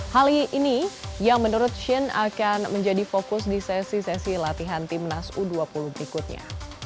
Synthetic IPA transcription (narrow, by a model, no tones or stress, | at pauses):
haliinijaŋmənuɾʊt̪̚ʃɪna̰kanməɲd͡ʒadifokʊsdisɛsisɛsilat̪iɦant̪imnasuduapuluhbəɾikʊt̪̚ɲa̰